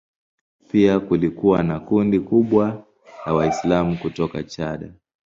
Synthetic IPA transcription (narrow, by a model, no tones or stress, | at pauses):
piakulikuwanakundikuɓwa | jawaislamukutɔkat͡ʃaɗa